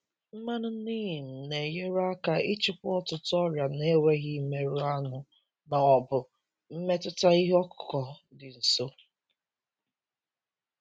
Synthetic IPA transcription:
m̩˦ma˦nʊ˦niː˦˨m̩˨ne˨je˦ɾʊ˦a˦ka˨ɪ˦t͡ʃɪ˦kʷʊ˦ɔ˦tʊ˨tʊ˦ɔ˦ɾja˨ne˦we˦ɣɪ˦me˦ɾu˦a˦nʊ˨ | na˨ɔ˨bʊ˨ | m̩˦me˦tʊ˦ta˦i˦ɦɔ˦kʊ̥˨kɔ˨ | dɪ˨n̩˨so˦

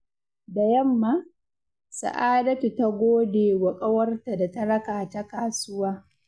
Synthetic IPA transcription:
da˨jɐ˦mːa˦ | sa̰˨ʔaː˦dɐ˦tu˨ta˦ɡʷoː˦deː˨wɐ˨kʼɐ˦wɐ˦rta˨da˨ta˦ɽɐ˦kaː˨ta˦kaː˨sʊ˦waː˦

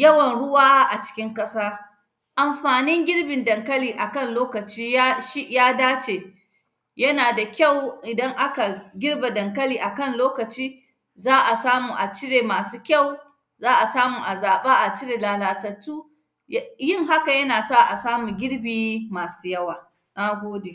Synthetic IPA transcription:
jɐ˦wɐ˨nɽʊ˦waː˦ʔa˨t͡ʃɪ̥˦kʲɪ˦ŋkʼɐ˦saː˦ | ʔa˨mɸaː˨nɪ˦ŋɡʲɪ˦ɽbɪ˨ndɐ˨ŋkɐ˦liː˨ʔa˨kɐ˦˨nloː˦kɐ˨t͡ʃiː˦ja˦ʃi˦ʔjaː˦daː˦t͡ʃeː˨ | jɐ˦naː˨da˨kʲa˦˨wʔɪ˨dɐ˦ŋʔa˦ka˨ɡʲɪ˦ɽba˨dɐ˨ŋkɐ˦liː˨ʔa˨kɐ˦˨nloː˦kɐ˨t͡ʃiː˦ | zaː˦ʔa˨saː˦muː˨ʔa˨t͡ʃɪ˦ɽeː˨maː˨suː˦kʲɐ˦˨w | zaː˦ʔa˨saː˦muː˨ʔa˨zaː˨ɓaː˦ʔa˨t͡ʃɪ˦ɽeː˨laː˨laː˨tɐ˨tːuː˦ | jɪ˦ŋɦa˦ka˨jɐ˦naː˨sa˦ʔa˨saː˦muː˨ɡʲɪ˦ɽbiː˨maː˨su̥ː˦jɐ˦waː˨ | naː˦ɡʷoː˦de˨

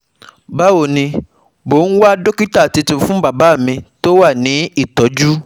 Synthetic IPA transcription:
ba˦wo˨nĩ˧ | bo˨˦n̩˦wa˦do˦ki˦ta˦˨ti˧tũ˧˦fũ˦ba˨ba˨˦˨mĩ˧to˦wa˦˨nĩ˨˦i˦˨tɔ˨˦d͡ʒu˦

